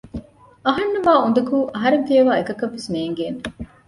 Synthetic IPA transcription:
ɐɦɐnːɐʋaːund̪ɐkuːʔɐɦɐɾeŋfijɐʋaːekɐkɐʋːesneːŋɡeːne

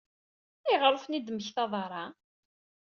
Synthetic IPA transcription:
iʁɾˤəfnid̪məçθɑðˤɾˤɑ

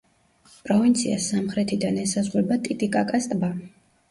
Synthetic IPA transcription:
pʼɾɔvint̪sʰia̰samχɾɛt̪ʰid̪anɛsazʁwɛbat̪ʼit̪ʼikʼakʼast̪ʼba

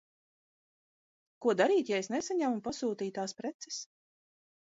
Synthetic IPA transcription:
kuɔd̪aɾiːt̪jɛjsnesaɲamupasuːt̪iːt̪aːspɾɛt̪sɛ̥s

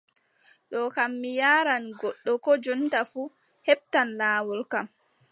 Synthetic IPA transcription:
ɗɔkamːijaːɾanɡɔɗːɔkɔd͡ʒɔntafu | hɛp̚tanlaːwɔlkam

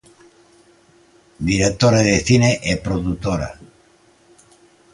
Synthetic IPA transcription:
d̪iɾek̚t̪oɾaðeθineʔepɾoðut̪oɾa̰

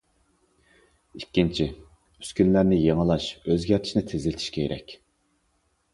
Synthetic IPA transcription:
ikʲːint͡ʃʰi | yskʲynlæɾnɪjeŋɨlˠɑʃøzɡʲɛɾt̪ʰi̥ʃnɪt̪ʰezɪlɪt̪ʰi̥ʃkʲʰejɾʔɛ̰kʲ

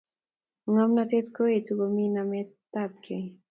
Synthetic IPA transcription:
ŋamnat̪et̪koit̪ukominamet̪ːap̚kʰe

